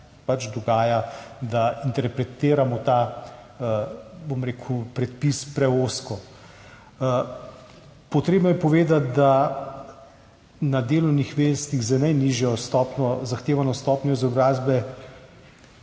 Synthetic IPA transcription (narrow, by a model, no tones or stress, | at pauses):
pat͡ʃd̪ɔɡaːjad̪aint̪ɛɾpɾɛt̪eːɾamɔt̪a | bomɾeːkʰupɾɛt̪̚pispɾɛoːskɔ | pɔt̪ɾeːbnɔjɛpɔʋeːd̪at̪̚d̪a | nad̪eːlɔwnixʋest̪iɣzənajniʒjɔst̪ɔpnɔzaxt̪eːʋanɔst̪ɔːpnʲɔizɔbɾaːzbɛ